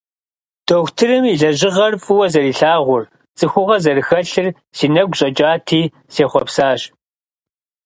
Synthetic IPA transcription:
d̥oxʷtʰɨrɨmiɮɐʑɪʁɐrfʼɨwɐzɐɾiːɬaːʁʷʊr | t͡sʼɨxʷʊʁɐzɐrɨxɐɬɨr | siːnɐɡʷɕʼɐt͡ʃʼaːtʰiː | seːχʷɔpsaːɕʼ

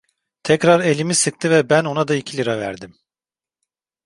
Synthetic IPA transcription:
t̪ʰɛcɾaɾe̞lʲimisɯk̚t̪ʰɯvɛbæno̞nad̪aicʰilʲiɾavæ̰ɾd̪im

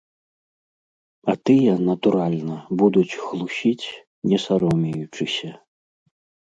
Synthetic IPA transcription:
ɐt̪ɨjɐnɐt̪uɾalʲnɐbud̪ut͡sʲxlˠuɕʲit͡sʲ | nʲɛsaɾɔmʲijut͡ʂɨsʲɐ

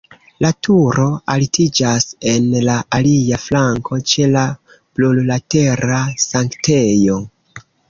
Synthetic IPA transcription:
latʰuɾo̞alitid͡ʒase̞nlaaliaflaŋkʰo̞t͡ʃe̞la | plullate̞ɾasaŋkte̞jo̞

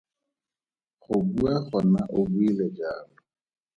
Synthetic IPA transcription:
χʊbuaχɔnaʔʊbuilɛd͡ʒaːlʊ

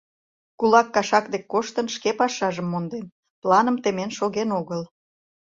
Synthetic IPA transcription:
kulɑkːɑʃɑkd̪ekːoʃt̪ənʃkepɑʃɑʒəmːond̪en | plˠɑnəmt̪emenʃoɣenoɣəl

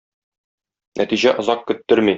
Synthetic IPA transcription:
nʔæ̰t̪iʑæʔŏzɑqkɵ̆t̪ːɵɾmi

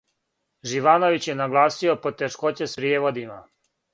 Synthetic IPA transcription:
ʒiʋaːno̞ʋit͡ɕjenaɡlˠaːsio̞po̞t̪eʃko̞t͡ɕespɾijeːʋo̞d̪ima

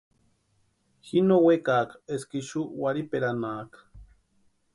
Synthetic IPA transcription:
hinowekaːkḁeskiʃuwaɾipeɾanaːkḁ

